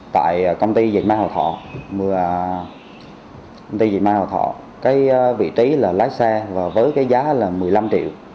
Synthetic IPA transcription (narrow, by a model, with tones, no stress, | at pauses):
t̪a̰ː˧˨jkə˧wŋ͡mt̪i˧za˨˩k̚maː˧hɔ̰ː˨˩t̪ʰɔ̰˧˨mɨ˨˩ə | ə˧wŋ͡mt̪i˧za˨˩k̚maː˧hɔ̰˨˩t̪ʰɔ̰˧˨ | kaː˨˦jvḭ˧˨t͡ɕi˨˦laː˨˩laː˨˦jsɛ˧vaː˨˩vəː˨˦jkaː˨˦jzaː˨˦laː˨˩mɨ˨˩əjla˧mt͡ɕḭ˧˨w